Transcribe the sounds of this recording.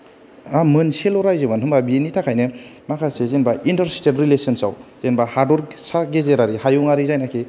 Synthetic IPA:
amɯnselɔɾajzɯbanɦɯmbabienːitʰakʰajnɯ | makʰasezenbaintɐɾstetɾilesɔnsawzenbahadɔɾsaɡezeɾaɾihajuŋaɾizajnakʰe

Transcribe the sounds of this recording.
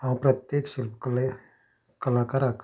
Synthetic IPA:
aw̃pɾɐt̪jekʃilpkl | kəlakaɾak

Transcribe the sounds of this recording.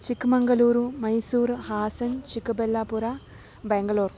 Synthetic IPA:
t͡ʃikːumɐŋɡɐluːɾumɐjsuːɾhaːsɐnt͡ʃikːubelːaːpuɾa | beŋɡɐluːr

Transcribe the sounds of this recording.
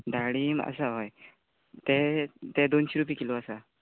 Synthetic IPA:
d̪ʱaɽiːma̰saɦaj | t̪et̪ed̪onɕiɾupikiloasa

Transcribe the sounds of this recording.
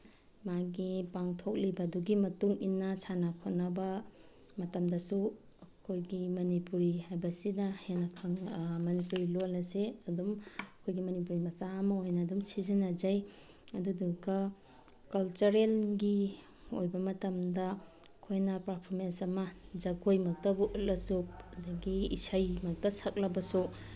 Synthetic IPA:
maɡipaŋtʰok̚libɐduɡimɐtuŋinːɐsʰanakʰotnɐbɐ | mɐtɐmdɐsu | ɐkʰojɡimɐnipuɾihajbɐsinɐhenɐkʰɐŋmɐnipuɾilolɐseɐdumɐkʰojɡimɐnip̬uɾimɐsaɐmɐojnɐːdumsizinɐd͡ʒaj | ɐduduɡɐ | kɐlt͡ʃɐɾelɡi | o̰jbɐmɐtɐmdɐkʰojnɐpɾapʰoɾmensɐmɐd͡ʒɐɡojmɐk̚tɐbuʔlɐsup̚ɐdɐɡiisajmɐk̚tɐsak̚lɐbɐsu

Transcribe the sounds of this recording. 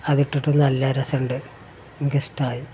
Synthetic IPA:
ɐðiʈːiʈːunːɐlːɐɾɐsɐɳɖɨ | ŋɡistaːji

